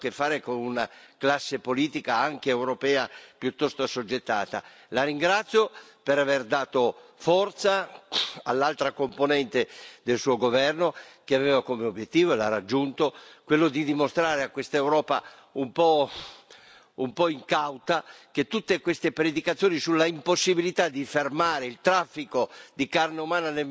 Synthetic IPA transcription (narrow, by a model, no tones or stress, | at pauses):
kefːaːɾekonunaklasːepoliːt̪ikaaŋkeːwɾopɛːapjut̪ːɔst̪oasod͡ʒːet̪ːa̰ːt̪a̰ | laɾiŋɡɾat̪sːjopeɾaverd̪aːt̪ofɔrt̪saalːalt̪ɾakomponɛnt̪ed̪elsuːoɡovɛrnok̟eavɛvakomeobjet̪ːiːvoelarad͡ʒːunt̪okwelːod̪id̪imost̪ɾaːɾeakwest̪aewɾɔːpa̰ | umpɔ | umpɔiŋkawt̪ak̟et̪ːut̪ːekwest̪epɾed̪ikat̪sːjoːnisulːaimposːibilit̪ad̪ifermaːɾeilt̪ɾafːikod̪ikarneumaːnane